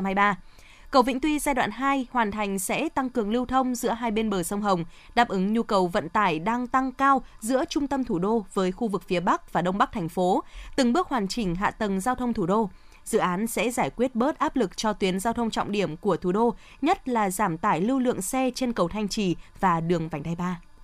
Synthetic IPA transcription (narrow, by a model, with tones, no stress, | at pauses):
a˧jɓaː˧ | kə˨˩wvḭ˧˥ŋ̟t̪wi˧zaː˧jɗwa̰ː˧˨nɦaː˧jhwaː˨˩nt̪ʰa˨˩jŋ̟sɛ̰˧˥t̪a˧ŋkɨ˨˩əŋli˧wt̪ʰə˧wŋ͡mzɨ̰˧˥əɦaː˧jɓe˧nɓəː˨˩sə˧wŋ͡mɦə˨˩wŋ͡m | ɗaː˦˥p̚ʔɨ˨˦ŋɲu˧kə˨˩wvə̰˧˨nt̪aː˧˩jɗaː˧ŋt̪a˧ŋkaː˧w | zɨ̰˧˥ət͡ɕʊ˧ŋ͡mt̪ə˧mt̪ʰu˧˩ɗo˧vəː˨˦jxu˧vɨ˨˩k̚fi˨˦əɓa˦˥k̚vaː˨˩ɗə˧wŋ͡mɓa˦˥k̚t̪ʰɛ˨˩jŋ̟fo˨˦t̪ɨ˨˩ŋɓɨ˦˥ək̚hwaː˨˩nt͡ɕï˨˩ŋ̟ɦa̰ː˧˨t̪ə˨˩ŋzaː˧wt̪ʰə˧wŋ͡mt̪ʰu˧˩ɗo˧ | zɨ̰˧˨ʔaː˨˦nsɛ̰˧˥zaː˧˩jkwi˦˥ət̚ɓəː˦˥t̚ʔaː˦˥p̚lɨ˨˩k̚t͡ɕɔ˧t̪wi˨˦ənzaː˧wt̪ʰə˧wŋ͡mt͡ɕɔ̰˧˨wŋ͡mɗi˧˩əmku˧˩ət̪ʰu˧˩ɗo˧ | ɲə˦˥t̚laː˨˩zaː˧˩mt̪aː˧˩jli˧wlɨ̰˧˨əŋsɛ˧t͡ɕe˧nkə˨˩wt̪ʰa˧jŋ̟t͡ɕi˧˩vaː˨˩ɗɨ˨˩əŋva˨˩ŋ̟a˧jɓaː˧